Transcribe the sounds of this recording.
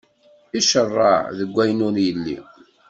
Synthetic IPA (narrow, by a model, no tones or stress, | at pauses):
iʃərˤːɑ̰ðəɡʷːæjnʊnjəlːḭ